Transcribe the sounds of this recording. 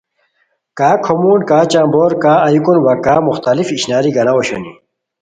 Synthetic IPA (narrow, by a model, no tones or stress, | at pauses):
kaːkʰomuːnkaːt͡ɕãːmboːɾkaːɐjukunwɐkaːmuxt̪ɐlifiɕnaːɾiɡɐlɐoɕo̰ni